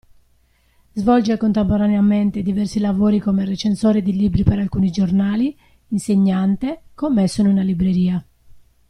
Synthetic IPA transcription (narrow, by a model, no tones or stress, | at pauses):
zvɔld͡ʒekont̪empoɾaneament̪ed̪ivɛrsilavoːɾikomeret͡ʃensoːɾid̪iliːbɾipeɾalkuːnid͡ʒornaːli | inseɲːant̪ekomːesːununalibɾeɾiːa